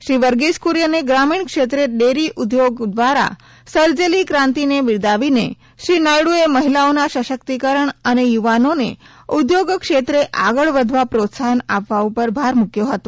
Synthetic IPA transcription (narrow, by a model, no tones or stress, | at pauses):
ɕɾiʋəɾɡeskuɾjəneɡɾamiɳkʂet̪ɾeɖeɾiʔud̪joɡd̪ʋaɾa̰ | səɾd͡zelikɾãnt̪ineʋiɭd̪aʋinḛ | ʃɾinajɽueməɦilaonaɕəɕəkt̪ikəɾəɳənejuʋanonḛ | ud̪joɡkʂet̪ɾeʔaɡəɭʋəd̪ʱʋapɾot̪sanaʋːaupəɾbʱaɾmukjoɦət̪o